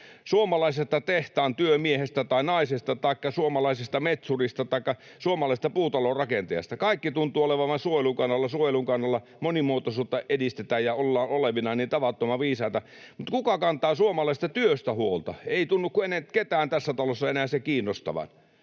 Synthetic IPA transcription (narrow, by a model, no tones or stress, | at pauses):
suomɑlɑisest̪ːɑt̪eht̪æːnt̪yømiehest̪æt̪ɑinɑisest̪ɑt̪ɑikːɑsuomɑlɑisest̪ɑmet̪surist̪ɑt̪ɑikːɑ | suomɑlɑˑisest̪ɑpuːt̪ɑlorɑkent̪ejɑ̰st̪ɑkɑikːit̪unt̪ˑuːoleʋɑʋɑnsuojeluŋkɑnːɑlːɑsuojeluŋkɑnːɑlːɑ | monimuot̪osuːt̪ːɑʔedist̪et̪æːjjɑolːɑːnoleʋinɑniːnt̪ɑʋɑt̪ːomɑʋiːsɑˑit̪ɑ | mut̪kukɑkɑnt̪ˑɑːsuomɑlɑˑist̪ɑt̪yøst̪æhuolt̪ɑ̰eˑit̪unːukkueneket̪æːnt̪æsːæt̪ɑlosːɑenæːæsekiːnːost̪ɑ̰ʋɑ̰n